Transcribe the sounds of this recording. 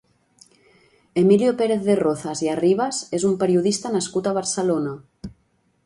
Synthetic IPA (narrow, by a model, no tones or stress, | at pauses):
emiljopeɾeθðeroθaziariβ̞azezumpeɾiuðist̪anaskut̪aβ̞aɾselona